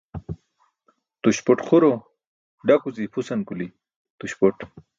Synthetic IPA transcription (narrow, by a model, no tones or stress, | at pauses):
t̪uɕpoʈχuɾo | ɖakuzipʰusankuli | t̪uɕpoʈ